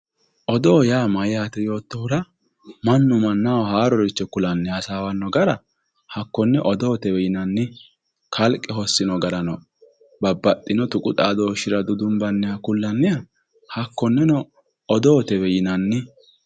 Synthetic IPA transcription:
ʔɔd̪oːjaːmɐjaːt̪ɛjo̞ːt̪ːɔhʊɾɐ | mɐnːʊmɐnːawhaːɾɔɾɪt͡ʃːɛkʊlɐnːɪhɐsaːwɐnːɔɡɐɾɐ | hɐkːɔnːɛʔɔd̪ɔːt̪ɛwɛjɪnɐnːɪ | kʰɐlkʼːɛhɔsːɪnɔɡɐɾɐnɔ | bɐbːɐt̪ʼːɪnɔt̪ʊkʼʊt̪ʼaːd̪oːʃɪɾɐd̪ʊd̪ʊmbɐnːɛjɐkʊlːɐnːɛjɐ | hɐkːɔnːɛnɔ | ɔd̪ɔːt̪ɛwɛjɪnɐnːɪ

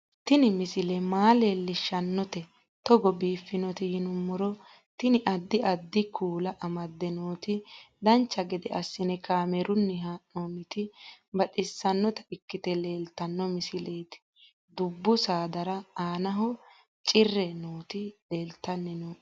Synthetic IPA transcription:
t̪ɪnɪmɪsɪlɛmaːleːlːɪʃːɐnːɔt̪ɛ | t̪ɔɡɔbiːfːɪnɔt̪ɪjɪnʊmːʊɾɔ | t̪ɪnɪʔɐd̪ːɪʔɐd̪ːɪkʰuːlɐʔɐmɐd̪ːɛnoːt̪ɪd̪ɐnt͡ʃːɐɡɛd̪ɛ̰ʔɐsːɪnɛkaːmɛɾʊnːɛɦaːʔoːnɪt̪ɪbɐᶑɪsːɐnːɔt̪ɐɪkːɪt̪ɛle̞ːlt̪ːɐnːɔmɪsɪleːt̪ɪ̥ | d̪ʊbːʊsaːd̪ɐɾɐaːnɐɦɔ | t͡ʃʼɪrːɛnoːt̪ɪle̞ːlt̪ːɐnːɛnoː

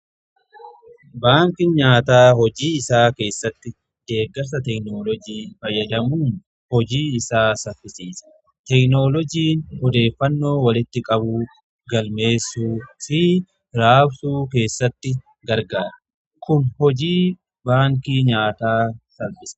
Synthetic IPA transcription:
baːŋkɪnɲaːt̪aːɦɔd͡ʒiːɪsaːke̞ːsːɐt̪ːɪ | d̪̥e̞ːɡɐɾsɐt̪ɛknoːlɔd͡ʒiːfɐjːɐd̪ɐmuːn | hɔd͡ʒiːɪsaːsɐfːɪsiːsɐ̥ | t̪ɛkno̞ːlɔd͡ʒiːnhɔd̪e̞ːfːɐnːo̞ːwɐlɪt̪ːɪkʼɐbuː | ɡɐlme̞ːsːuːfɪ | ɾaːbsuːke̞ːsːɐt̪ːɪ | ɡɐɾɡaːɾɐ | kʊnhɔd͡ʒiː | baːŋkiːɲaːt̪aːsɐlbɪsɐ̥

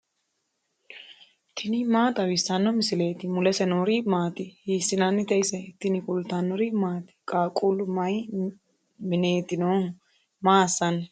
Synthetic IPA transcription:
t̪ʰɪnɪmaːt̪ɐwɪsɐnːɔmɪsɪleːt̪ɪmʊlɛsɛnoːɾimaːt̪ɪhiːsːɪnɐnːɪt̪ɛjsɛt̪ːɪnɪkʊlt̪anːɔɾɪmaːt̪ɪ̥kʼaːkʼulʊmɐj | mɪneːt̪ɪnoː | maːsːɐn

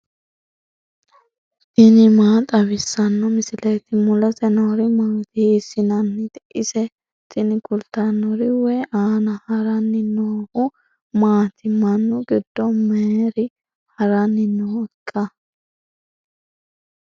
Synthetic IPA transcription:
sɪnɪmaːt̪ʼɐβɪsːɐnːɔmɪsɪlɛjt̪ɪmʊlɐsɛnoːɾɪmaːt̪ɪhːsːɪnɐnːɪt̪ɪʔɪsɛ | tʼɪnɪkʊlt̪ɐnːɔɾɪwɛjʔaːnɐhɐɾɐnːɪnoːhʊ | maːt̪ʰɪmɐnːʊɡɪd̪̥ːɔmeːɾɪ | hɐɾɐnːɪnokʼːɐ

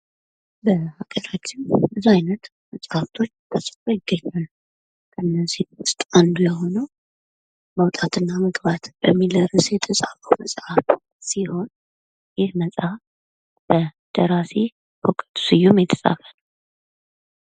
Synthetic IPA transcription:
bəhaɡəɾat͡ʃːɪmbəzaajnət̪ | məsʼhaft̪ʰo̞t͡ʃːt̪ʰəsʼə̥kojɪɡːəɲːalː | kʰəɨnːəziwʊst̪ʼand̪ləho̞nəw | məwt̪ʼat̪ʰɨnːaməɡbat̪bəmːiləɾɨsjɛt̪ʰəsʼafəwməsʼaf | siho̞n | jɪhməsʼaf | b̥ə | d̪̥əɾase | hokʼət̪ʰʼu̥sɨjːumjɛt̪ʰə̥sʼa̰fənəw

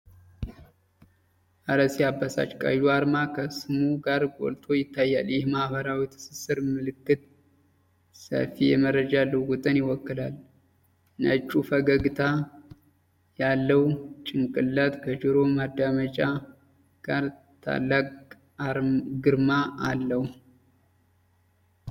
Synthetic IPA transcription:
ʔaɾəsjabːasa̰t͡ʃːkʼa̰juaɾmakʰəsɨmuɡaɾɡʼo̰lt̪ʰo̞jɪt̪ʰːajːa̰ljɪhmahβəɾawit̪ʰɨ̥sɨsɨɾmɨlɨkːɨt̪ | sə̰fijɛmərəd͡ʒalːəwɡɔt̪ʼənjɪwɔkːɨlal | nət͡ʃːufəɡəɡɨt̪ʰa | jalːəwt͡ʃʼɪŋkʼɨlːat̪ʼkʰəd͡ʒɨɾo̞mad̪ːamət͡ʃʼa | ɡ̥aɾ | t̪ʰa̰lːakʼ | ɾɡɨɾmaalːəh

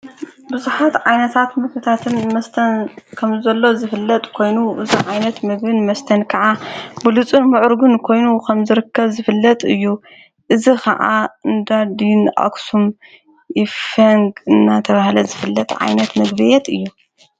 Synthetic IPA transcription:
bɨzuħat̪ʕajnɐt̪ʰat̪mɨɡbɨt̪ʰat̪ʰɨnmɐst̪ʰɐnkʰɐmzɐlːo̞zɨfɨlːɐt̪ʼkʰo̞jnuʔɨziʕajnɐt̪mɨɡbɨnmɐst̪ʰɐnkʰɐʕabɨlut͡sʼɨnmɨʕʊɾɡunkʰo̞jnukʰɐmzɨɾɨkːɐβzɨfɨlːɐt̪ʼɨjːu | ʔɨzikʰɐ̰ʕa̰ɨnd̪ad̪inʔa̰ksum | jɪfɐŋɡɨnːat̪ʰɐβahlɐzɨfɨlːɐt̪ʼʕa̰jnɐt̪mɐɡbɨjɛt̪ɨjːu

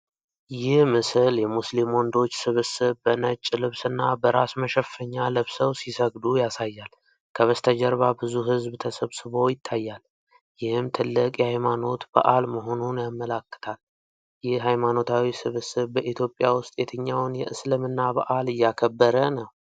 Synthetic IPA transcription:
jɪhmɨsɨljɛmuslimo̞nd̪o̞t͡ʃːsɨβɨsɨβbənət͡ʃʼːlɨβsɨnːabəɾasməʃɛfəɲːalɨβsəwsisəɡd̪ujasajːal | kʰəβəst̪ʰəd͡ʒɛɾβabɨzuɦɨzbt̪ʰəsəβsɨβo̞jɪt̪ʰːajːal | jɪhɨmt̪ʰɨlːɨkʼjɛhajmano̞t̪ba̰ʔalməɦonunjamːəlakːə̥t̪ʰal | jɪhɦajmano̞t̪ʰawisɨβɨsɨβbəʔit̪jo̞pʼːjawʊst̪ʼjɛt̪ʰɨɲːawnjɛʔɨslɨmɨnːabaʔalɨjːakʰəbːəɾənəw

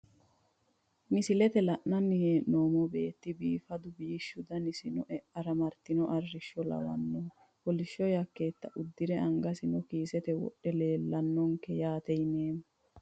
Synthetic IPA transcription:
nɪsɪlɛt̪ɛlɐʔnɐnːɪheːʔnoːmɔbe̞ːt̪ːɪbiːfɐd̪ʊbiːʃːʊd̪ɐnɪsɪnɔʔɛɐɾɐmɐɾt̪ːɪnɔʔɐrːɪʃːɔlɐ̰wɐ̰nːɔː | hɔlɪʃːɔjɐkːe̞ːt̪ːɐʔʊd̪ːɪɾɛʔɐŋɡɐsɪnɔkiːsɛt̪ɛwɔ̰ɗːɛleːlːɐnːɔŋkɛjaːt̪ɛjneːm

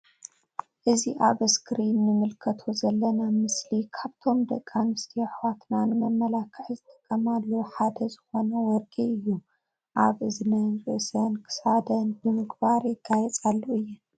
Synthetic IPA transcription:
ʔɨziʔaβɨskɾinːɨmɨlkʰɐt̪ʰozɐlːɐnamɨslikʰaβt̪ʰo̞md̪ɐkʼːanɨst̪ʰijaħwat̪nanɨmɐmːɐlakʰːɨħzɨt̪ʼɐ̥kʼːɐmalːɐħad̪ɐzɨxo̞nɐwɔɾɡiɨjːu | ʔaβʔɨznɐnɾɨʔsɐnkʰɨ̥sad̪ɐnbɨmɨɡbaɾjɪɡːajɛt͡sʼalːoɨjːɨn

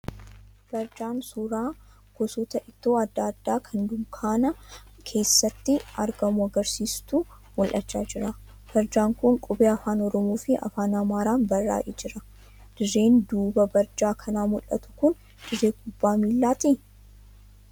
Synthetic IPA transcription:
b̥ɐɾd͡ʒaːnsuːɾaː | ɡ̥ɔsɔt̪ɐʔɪt̪ːoːɐd̪ːaːd̪ːaːkʰɐnd̪ʊŋkʰaːnɐkʰe̞ːsːɐt̪ːɪɐɾɡɐmʊɐɡɐɾsiːst̪u | mɔlʔɐt͡ʃːa̰ːd͡ʒɪɾɐ | b̥ɐɾd͡ʒaːŋkʊŋkʼʊbeːɐfaːnɔɾɔmoːfɪɐ̰faːnɐmaːɾaːnbɐrːa̰ːʔeːd͡ʒɪɾɐ | d̪̥ɪrːe̞ːnd̪uːbɐbɐɾd͡ʒaːkʰɐnaːmʊlʔɐ̰t̪ʊ̥kʊn | d̪̥ɪrːeːɡʊbːaːmiːlːaːt̪i

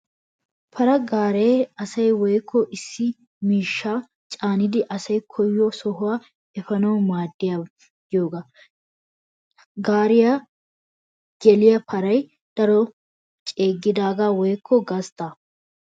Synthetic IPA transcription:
pʰɐɾɐɡaːɾeːɐsɐjwɔjkʰːɔʔɪsːɪ | miːʃːaː | t͡ʃʼaːnɪd̪ɪʔɐsɐjkʰɔjːɔsɔɦʊwaː | ɛfɐnɐwmaːd̪ːɪja | jjoːɡa | ɡaːɾɪja | ɡ̥ɛlɪjɐpʰɐɾɐj | d̪̥ɐɾɔ | t͡ʃʼe̞ːɡːɪd̪aːɡaːwɔjkʰːɔɡɐst̪a

